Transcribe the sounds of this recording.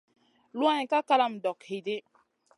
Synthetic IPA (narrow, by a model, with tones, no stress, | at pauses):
lwa˦ɲi˨ka˦ka˦la˦m̩˨dɔ˨khe˨de˦